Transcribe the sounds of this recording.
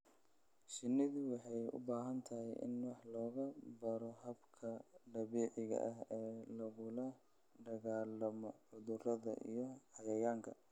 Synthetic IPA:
ʃɪnːɪðʊwɑħɑjʊ̰baːɦɐnt̪ʰɐɦɛjʔɪ̰nwɑħlɔːɣɐbɐɾɔɦɐbkʰɐɖɐβɛːʕɪɣɐ̰ʔɐɦɛːlɐɣʊlɐ | ɖɐɣaːlɐmɔʕʊðʊrɐðɐ̰ʔḭjɔħɑɣɐjaːŋkʰɐ

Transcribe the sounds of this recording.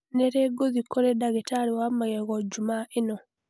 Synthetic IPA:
neɾeɡoðikːoɾedaɣetaɾiwamaɣeɣod͡ʒumaʔeno

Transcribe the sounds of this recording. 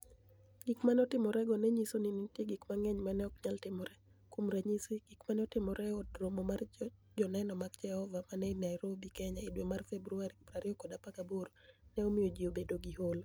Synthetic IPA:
ɡ̥ikmanɔtɪmɔɾɛɡɔnɛɲisoninintjeɡikmaŋɛɲmanɛɔkɲaltɪmɔɾɛ | kumɾaɲisiɡ̥ikmanɔtɪmɔɾʔɛɔdɾomɔmard͡ʒɔnɛnɔmakd͡ʒɛhɔvamanɛnaiɾobikɛɲaidwomarfɛbɾuaɾibɾaɾiɔkɔdapakaboɾ | nɛomɪod͡ʒiobedoɡiɦol

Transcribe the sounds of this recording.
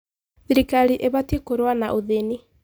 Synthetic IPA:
ðiɾikaɾiʔeβatjekoɾwanaʔoðeni

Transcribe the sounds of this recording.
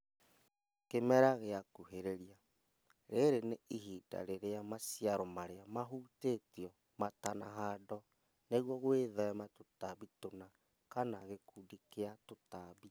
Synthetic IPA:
kemɛɾaɣeakuɦeɾeɾia | ɾeɾeneiɦiːda̰ɾeɾeamasiaɾɔmaɾeamaɦutetiɔ | matanaɦadɔ | neɣwɔɣweðɛɛmatotaβitona | kanaɣekuːdikeatotaːβi

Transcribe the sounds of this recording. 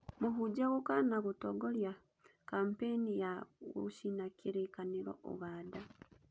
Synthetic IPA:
muɦud͡ʒaɣokanaɣutoɡolja | kampenijawo̰ʃinakʰiɾekaniɾo̰ʔo̰βaːda

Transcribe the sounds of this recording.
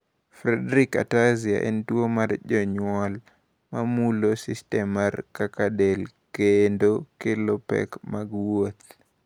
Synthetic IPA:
fɾɛdɾika̰tazia̰ʔɛ̰ntwomaɾd͡ʒɔɲwɔl | mamulosistɛmːarkakadel | kendokelopɛ̰kmaɡwot̪

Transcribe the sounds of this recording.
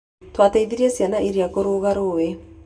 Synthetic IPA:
twataiðiɾiɛsjanaʔiɾiakoɾoɣaɾoːwe

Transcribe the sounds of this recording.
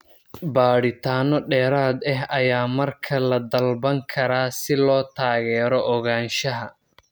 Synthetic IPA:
baːɽɪt̪ʰaːnɔɖɛːɾaːd̪ɛɦɐjaːmɐrkʰɐlɐd̪ɐlbɐŋkʰɐɾaːsɪlɔːt̪ʰaːɣɛːɾɔʔɔɣaːnʃɐɦɐ

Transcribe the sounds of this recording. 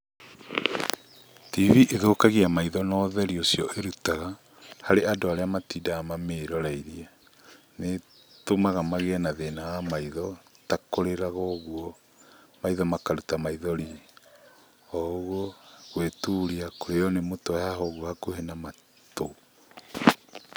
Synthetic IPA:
tiviʔeðokaɣiamaiðɔnɔðɛɾiosijɔʔeɾutaɣa | haɾeadoaɾeamatiːdaamameɾɔɾaiɾiɛ | ne | tomaɣamaɣeɛnaðenawamaiðɔtakoɾeɾaɣɔɣuɔ | maiðɔmakaɾutamaiðɔɾi | ɔɣoɣwetuɾiakoɾeɔnemotɔjaɦɔɣuhakohenama | to

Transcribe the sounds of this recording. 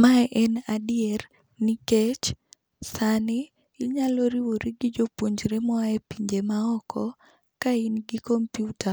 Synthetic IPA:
maʔɛnadɪɛr | niket͡ʃ | sanɪ | ɪɲalɔɾiwoɾiɡɪd͡ʒopwoɲd͡ʒɾemaepiɲd͡ʒemaɔkɔ | kainɡɪkɔmpjuta

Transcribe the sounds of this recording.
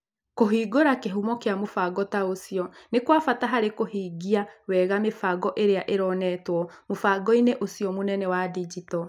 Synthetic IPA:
koɦiːɡoɾakeɦumɔkeamofaɡɔtaosiɔnekwafataɦaɾekohiːɡiawɛɣamefaɡɔʔeɾeaʔeɾɔnɛtwɔmofaːɡɔineʔosiɔmonɛnɛwadid͡ʒitɔ

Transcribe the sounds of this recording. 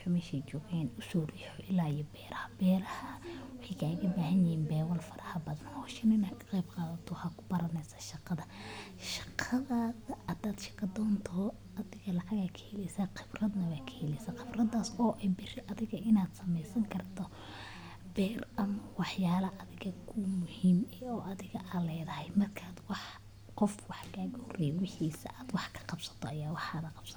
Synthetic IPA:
ʊħʊmɛːʃɛjt͡ʃɔːɣɛːnʊsuːriħɔʔɪlːaːijɔbɛːɾɐhɐbɛːɾɐhɐwɑħɑjkʰaːɣɐbaːhɐnjɪhiːnbɛːwɐlfɐɾʔɐhɐbɐðɐnhɔːʃɐnɪnakʰɐ̥qɛjbqɑːðɐt̪ʰɔhɐkʰʊ̥bɐɾɐnɛsɐ̥ʃɑqɑðɐ | ʃɑ̥qʰɑðaðɐɐd̪aːd̪ʃɑ̥kɐd̪ɔːnt̪ʰɔ | ɐðɪɣɐlɐʕɑɣakʰɐhɛlɛsaqɪbrɐd̪nɐwɛjkʰɐ̥hɛlɛjsɐqɪbrɐd̪aːsɔːʔɛjbɪrɪʔɐðɪɣɐʔɪnaːd̪sɐmɛjsɐŋkʰɐrt̪ʰɔ | bɛːrʔɐmɐwɑħjaːlɐʔɐðɪɣɐkʰʊmʊhiːmɛɔːʔɐðɪɣɐʔalɛːjðɐhɛjmɐrkʰaːd̪wɑħ | qɔfwɑħɡaːɡhrɛjɛwɪħiːsɐ̰ʔaːd̪wɑħkʰɐ̥qɑbsɐ̥t̪ʰɔɐjaːwɑħaːðɐqɑb̥sɐt̪ː

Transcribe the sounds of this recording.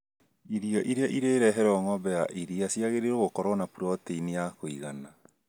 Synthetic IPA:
iɾiɔʔiɾeaʔiɾeːɾɛɦɛɾɔŋɔbɛaʔiɾiasiaɣeɾeɾoɣokɔɾwɔnapuɾɔteinejakoiɣana

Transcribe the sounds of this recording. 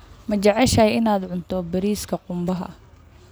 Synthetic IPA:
mɐt͡ʃɐʕɛʃɐjɪnaːd̪ʕʊnt̪ʰɔbɐɾiːskʰɐqʊmbɐɦɐ̰

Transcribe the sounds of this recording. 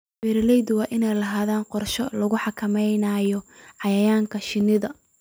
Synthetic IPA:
bɛɾlɛjd̪ʊwɑːʔɪnɛjlɐɦaːðaːnqɔrʃɔlɐɣʊħɑkʰɐmɛjnɐjɔʕɑjɐjaːŋkʰɐʃɪnɪðɐ

